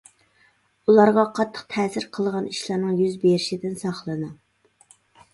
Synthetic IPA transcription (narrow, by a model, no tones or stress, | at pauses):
ulˠɑɾʁɑqʰɑt̪ʰːə̥qt̪ʰɛːsɪɾqʰəlˠʁɑniʃlˠɑɾnɨŋjyzbeɾɪʃid̪ɪnsɑχlˠɨnɨ